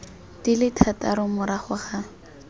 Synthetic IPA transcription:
dilɪtʰataɾʊmʊɾaχʊχa

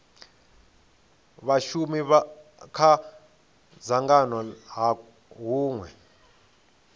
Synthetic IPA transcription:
βaʃumikʰa | zaŋɡanɔɦa | ɦuːŋwɛ

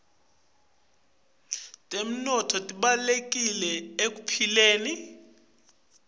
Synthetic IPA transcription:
tʼem̩nɔtʰɔtʼiɓalek̬ʼilɛek̬ʼupʰileːni

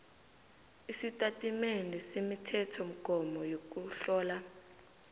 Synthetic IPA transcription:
isitʼatʼimenɛsemitʰɛtʰɔm̩ɡ̥ʱɔmɔjok̬uɬɔːla

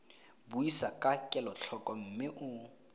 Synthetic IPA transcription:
buisakʼakʼɛlɔɬʰɔkʼɔm̩mɪʔʊ

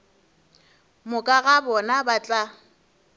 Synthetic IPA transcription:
mʊkʼaɣabɔnabat͡ɬʼa

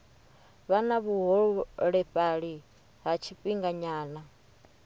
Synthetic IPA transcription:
βanaβuɦɔɺuɺɛɸaɺi | ɦat͡ʃʰiɸʼiŋɡaɲaːna

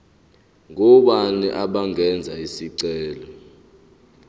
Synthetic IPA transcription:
ŋɔɓanḭʔaɓaŋɛnd͡zʱaisiǀɛːlɔ

